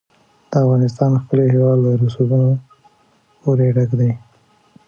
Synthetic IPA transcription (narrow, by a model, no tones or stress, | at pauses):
d̪̥əafɣɑnɪst̪ɑnxpəloɦewɑd̪ləɾusuɡuno | oɾeɖakd̪aj